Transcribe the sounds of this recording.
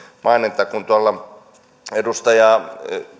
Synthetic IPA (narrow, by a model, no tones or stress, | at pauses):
mʔɑinit̪ːˑɑkunt̪uɑlːɑ | edust̪ɑjɑ